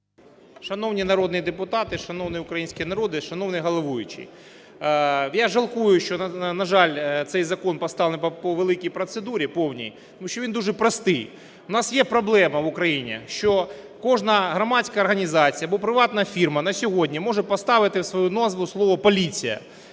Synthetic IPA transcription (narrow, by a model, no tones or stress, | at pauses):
ʂɐnownʲinɐɾod̪njɐd̪ɪpʊt̪at̪ɪʃɐnownɨjʊkɾɐjinʲsʲkʲijɛnɐɾod̪ɪʂɐnownɨjɦɐlˠɐʋujʊt͡ʃɪ̰j | jaʐɐlˠkujʊʃt͡ʃɔɐnɐʐɑlʲt̪sɛjzɐkonpɐst̪ɑʋlʲnppɔʋelˠɪkʲijpɾɐt̪sɪd̪uɾʲɪpownʲḭj | t̪ɐmuʃt͡ʃːɔʋʲind̪uʐɛpɾɐst̪ɪj | ʊnasjɛpɾɐblˠɛmɐʋʊkɾɐjinʲɛ̰ʃt͡ʃɔ | kɔʐnɐɣɾɐmat͡sʲkɐɐrɣɐnʲizat͡sʲijɐbɔpɾɪʋat̪nɐjɐfʲirmɐnɐsʲɔɦodʲnʲɐmɔʐɛpɐst̪aʋɪt̪ɪwsʋɐjunozʋʊslˠɔʋɐpɐlʲit͡sʲijɐ̰